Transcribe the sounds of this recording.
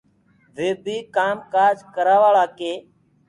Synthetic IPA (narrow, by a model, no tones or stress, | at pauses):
ʋeːbʱiːkaːmkaːɾd͡ʒkəɾaːʋaːɭaːkeː